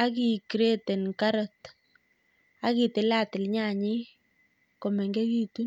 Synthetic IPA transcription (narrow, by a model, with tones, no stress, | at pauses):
a˦ki˨kɾe˦te˨nka˦ɾɔ˨t | a˦ki˨tɪ˨la˦tɪ˨lɲa˦˨ɲɪ˦ | ko˨mɛ˨ŋɡe˦ki˦tu˦n